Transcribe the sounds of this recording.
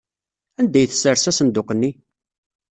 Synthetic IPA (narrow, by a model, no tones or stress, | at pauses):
ænd̪æjθə̥səɾsæsənd̪ʊqənːi